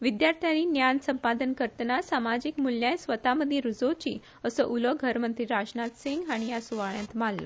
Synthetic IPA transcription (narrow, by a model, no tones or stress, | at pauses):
ʋid̪jaɾt̪ʰjaninjansəmpad̪ənkəɾt̪ənasamad͡ʑikmuljãjsʋət̪aməd̪ʱːjeɾud͡zot͡ɕiː | əsəʔuləɡʱəɾmənt̪ɾiɾasnat̪sĩŋɡaɽ̃ijasuʋaɭjãt̪mallə̰